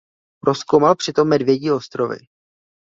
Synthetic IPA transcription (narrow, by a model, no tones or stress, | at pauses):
pɾo̞skowmalpr̝̥ɪt̪o̞mːɛdvjɛɟiːo̞st̪ɾo̞vɪ̰